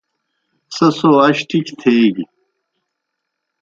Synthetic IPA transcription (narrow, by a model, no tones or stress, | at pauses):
sɐsoːɐɕʈikt̪ʰeːɡi